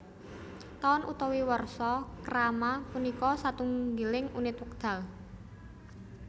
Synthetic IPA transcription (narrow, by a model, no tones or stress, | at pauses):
t̪aɔnʔṵt̪ɔwiwərsɔkəɾamapunikɔsat̪uŋɡilɪŋunɪt̪wək̚d̪̥a̤l